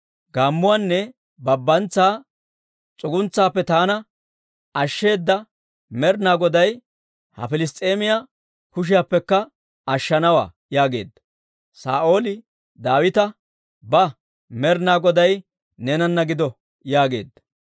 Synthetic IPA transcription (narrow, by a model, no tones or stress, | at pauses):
ɡaːmːʊwaːnːɛ | bɐbːɐnt͡sːaː | t͡sʼʊɡʊnt͡sːaːpːɛt̪aːnɐ | ɐʃːe̞ːd̪ːɐ | mɛɾnaːɡɔd̪ɐj | hɐ̰fɪlɪs̬t̪ʼe̞ːmɪja | kʊʃ̬ɪjapːɛkːɐ | ɐʃːɐnɐwa̰ː | jaːɡe̞̰ːd̪ːɐ̥ | sa̰ːʔo̞ːlɪ | d̪aːwɪt̪ɐ | bɐ | mɛɾnaːɡɔd̪ɐj | nɛnɐnːɐɡɪd̪ɔ | jaːɡe̞̰ːd̪ːɐ̥